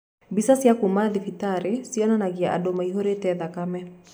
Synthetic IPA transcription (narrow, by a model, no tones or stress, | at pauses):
bisasiakumaðifitaɾesiɔnanaɣiaʔa̰domaiɦoɾetɛðakamɛ